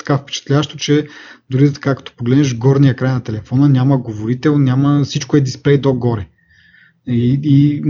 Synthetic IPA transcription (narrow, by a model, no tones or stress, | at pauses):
t̪ɐ̥kafpɛ̥t͡ʃɛ̥t̪lʲaʃt̪ot͡ʃɛd̪uɾid̪t̪ɐ̥kakɐ̥t̪ɔ̥poɡlɛd̪nɛʃɡɔɾnijəkɾajnɐt̪ɛlɛfɔnənʲjaməɡovoɾit̪ɛlˠnʲaməsit͡ʃkoɛd̪isplɛjd̪oɡɔɾɛ | ii